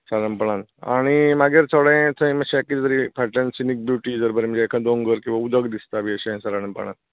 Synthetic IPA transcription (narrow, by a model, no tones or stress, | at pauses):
saɾəmpəɳ̃ãna̰ɽ̃imaɡeɾt͡sʰəɽə̃t̪ʰə̃ĩməɕẽkit̪əɾipaʈənsinik̚bjuʈid͡zəɾbəɾməd͡ʑeekʰãd̪õŋɡəɾkĩw̃ʋaud̪əɡd̪ist̪abʱiəɕẽsaɾaɽəmpə̰ɽ̃ã̰n